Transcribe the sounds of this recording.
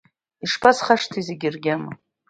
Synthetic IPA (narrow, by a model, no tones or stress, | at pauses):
iʂpʰasχaʂtʰizeɡʲɪrɡʲamɨ̰